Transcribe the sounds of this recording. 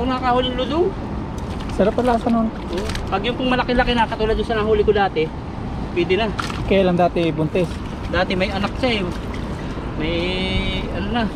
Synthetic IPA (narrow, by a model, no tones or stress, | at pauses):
onaakaholɪŋlʊd̪o | sɐɾapɐlaːsɐnon | ʔoʔpɐɡjʊŋpʊŋmɐlɐkɪlɐkɪnakɐt̪uːlad̪ːʊnsɐnaɦuːlɪkod̪aːt̪ɛ | pwɛːd̪ɪnakɐjaːlɐŋd̪aːt̪ɛbʊnt̪ɛs | d̪aːt̪ɪmɐjɐnak̚t͡ʃaj | mɐj | ɐnonɐ